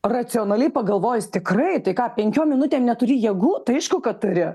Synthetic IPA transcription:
rɐt͡ssʲɪoːnɐlʲɛɪpɐɡɐlˠʋoːjʊst̪ʲɪkrɐɪt̪ɐɪkɑːpʲɛŋʲkʲoːmʲɪnʊtʲeːmnʲɛt̪ʊɾʲiːjiɛɡuːt̪ɐɪɐɪʃkʊkɐt̪ʊɾʲɪ

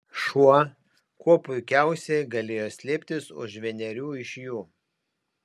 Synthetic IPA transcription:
ʃuɔ | kuɔpʊɪkʲæˑʊsʲɛɡɐlʲeːjoːsʲlʲeːpʲt̪ʲɪsʊ̰ʃʒʲʋʲɛnʲɛɾʲuːɪʃjuː

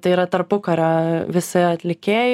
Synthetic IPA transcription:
t̪ɐɪiːɾɐt̪ɐɾpʊkɐɾʲɑʋʲɪsʲɪɐt̪ʲlʲɪkʲeːj

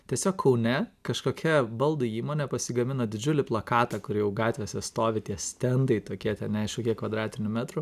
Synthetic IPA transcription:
t̪ʲiɛsʲoːkkʰɐʊnʲɛkɐʃkoːkʲʰɛbɐlˠd̪ʊiːmoːnʲɛpɐsʲɪɡɐmʲɪnoːd̪ʲɪd͡ʒʲʊlʲɪplˠɐkɑːt̪ɑkʊɾjɛʊɡɑːt̪ʲʋʲesʲɛst̪oːʋʲɪt̪ʲiɛsʲt̪ʲɛnd̪ɐɪt̪oːkʲiɛt̪ʲɛnʲɛɪʃkoːkʲiɛkʋɐd̪ɾɑːt̪ʲɪnʲʊmʲæt̪ɾʊ

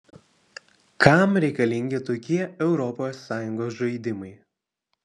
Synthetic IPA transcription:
kɐˑmɾʲɛɪkɐlʲɪŋʲɡʲɪt̪oːkʲiɛɛʊɾɔposːɑːjʊŋɡoːs̬ʒɐɪd̪ʲɪmɐɪ

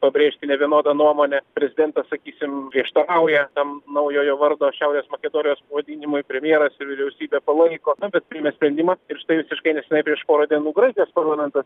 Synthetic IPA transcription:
pɐbʲɾʲeːʃʲt̪ʲɪnʲɛʋʲiɛnoːd̪ɐnuɔmoːnʲɛpʲɾʲɛzʲɪd̪ʲɛnt̪ɐssɐkʲiːsʲɪmpɾʲiɛʃt̪ɐɾɐʊjɛt̪ɐmnɐʊjoːjoːʋɐɾd̪oːʃʲɛʊɾʲeːsmɐkʲɛd̪oːnʲɪjoːspɐʋɐd̪ʲiːnʲɪmʊɪpʲɾʲɛmʲjeɛɾɐsɪɾʋʲɪɾʲɛʊsʲiːbʲeːpɐlˠɐɪkoːnʊbʲɛt̪̚pʲɾʲɪmʲɛsʲpʲɾʲɛnʲd̪ʲɪmɐɪɾʃʲɪtɐɪʋʲɪsʲɪʃkɐɪnʲɛsʲɛnɐɪpʲɾʲiɛʃpoːɾɐd̪ʲiɛnuːɡɾɐɪk̪ʲɪjoːspɐɾlˠɐːmʲɛnt̪ɐs

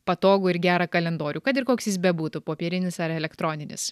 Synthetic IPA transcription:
pɐt̪oːɡuːɪɾɡʲæːɾɐkɐlʲɛnd̪oːɾʲuːkɐt̪ɪɾkoːksʲjɪsbʲɛbuːt̪upoːpʲiːɾʲɪnʲɪsɐɾɛlʲɛkt̪ɾoːnʲɪnʲɪ̰s

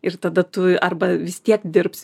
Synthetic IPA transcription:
ɪrt̪ɐd̪ɐt̪ʊɐrbɐʋʲɪst̪ʲiɛkd̪ʲɪrps

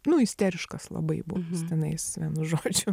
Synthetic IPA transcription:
nʊɪsʲt̪ʲæɾʲɪʃkɐslˠɐ̰bɐɪbʊst̪ʲɛnɐɪsʋʲiɛnʊʒoːd͡ʒʲʊ

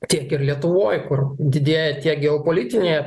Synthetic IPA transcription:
t̪ʲiɛkɪrlʲiɛt̪ʊʋoːjkʊrd̪ʲɪd̪ʲeːjɛt̪ʲiɛkɡʲɛoːpoːlʲit̪ʲɪnʲeːj

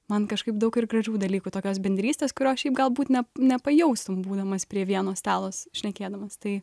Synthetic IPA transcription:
mɐnkɐʃkɐɪpd̪ɐʊkɪrɡrɐʒʲuːd̪ɐlʲiːkuːt̪oːkʲoːsbʲɛnʲd̪ʲɾʲiːsʲtʲeːskʊɾʲoːsʃʲɛɪpɡɐlˠbuːt̪nʲɛnʲɛpɐjɛʊst̪ʊmbuːd̪ɐmɐspʲɾʲiɛʋʲiɛnoːsʲt̪ɑːlˠoːsʃʲnʲɛkʲeːd̪ɐmɐst̪ɐɪ

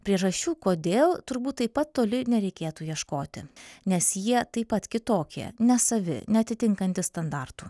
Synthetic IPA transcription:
pʲɾʲiɛʒɐʃʲt͡ʃʲuːkoːd̪ʲeːlˠt̪ʊɾbuːt̪t̪ːɐɪpɐt̪t̪ːoːlʲɪnʲɛɾʲɛɪkʲeːt̪uːjiɛʃkoːt̪ʲɪ̰nʲɛsjiɛt̪ɐɪpɐt̪kʲɪt̪oːkʲḭɛnʲɛsɐʋʲɪ̰nʲɛɐt̪ʲɪt̪ʲɪŋkɐnʲt̪ʲɪst̪ɐnd̪ɑrt̪uː

